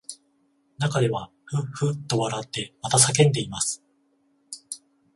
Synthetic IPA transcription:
nakad̪e̞βa | ɸɯ̟ɸɯ̟t̪ːo̞βaɾat̪ːe̞mat̪asak̬ẽ̞nd̪e̞imasɨ̥

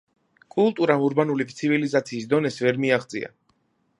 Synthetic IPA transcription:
kʼulˠt̪ʼuɾamuɾbanulipt̪sʰivilizat̪sʰiːsd̪ɔnɛsvɛɾmiaʁd̪zʼḭa̰

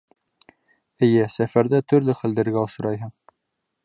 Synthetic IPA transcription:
ɘ̆jɘsæfæɾðæt̪ɵ̆ɾlɘχæld̪ɘ̆ɾɡæosɤ̆ɾɑjɦɤɴ

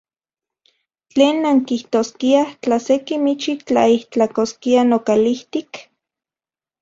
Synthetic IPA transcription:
t͡ɬeːnːaŋkiht̪oːskiat͡ɬasekimit͡ʃit͡ɬaiht͡ɬakoskianokaliht̪ik

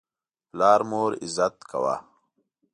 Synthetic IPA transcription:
plaːɾmoːɾizɐt̪kɐ̰wa̰

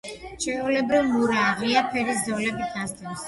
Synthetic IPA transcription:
t͡ʃʰɛulɛbɾivmuɾaːʁiapʰɛɾisd̪ɔlɛbit̪ʰast̪ɛɾs

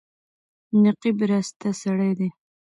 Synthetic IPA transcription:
nɪqibɾast̪asaɽajd̪e

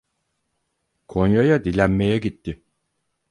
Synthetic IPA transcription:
kʰo̞njajad̪ilʲænme̞jɛɟit̪ːɪ

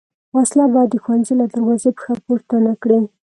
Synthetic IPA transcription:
waslabɑjd̪ːəxwanzilad̪əɾwɑzepə̥xapoɾt̪anakɽi

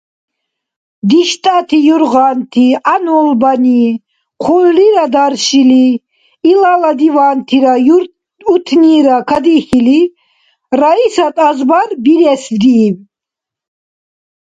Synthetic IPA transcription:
d̪iʃt̪ʼat̪ʰijuɾʁant̪ʰianɔlbani | χʰulːiɾad̪aɾʃiliː | lalad̪ivaːnt̪ʰiɾa | ut̪ʰniːɾakʰad̪iχili | ɾaisat̪ʼazbaɾbiɾɛsvd̪iːv

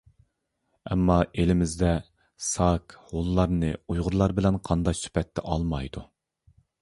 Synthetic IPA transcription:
ɛmːɑelɪmɪzd̪ɛ | sɑkholˠːɑɾnɨujʁʊɾlˠɑɾbɪlɛnqʰɑnd̪ɑksy̥pʰɛt̪ʰːɛ̰ʔɑlˠmɑjd̪u

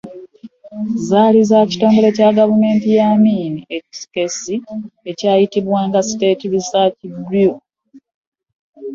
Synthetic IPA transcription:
zaːlizaci̥to̞ːmɡo̞le̞caɡavume̞ːntijamiːnieksi̥kesie̞caːjitiβwaːŋɡasi̥te̞ːtiβisacidju

